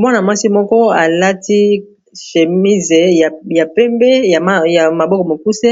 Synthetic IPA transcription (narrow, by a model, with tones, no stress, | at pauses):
mwa˦na˨mwa˦si˦mɔ˦kɔ˦a˨la˦ti˦ | ʃe˨mi˦ze˨a˨ja˨pɛ˦mbɛ˦ja˨˦ja˨ma˨bɔ˦kɔ˨mo˨ku˦se˦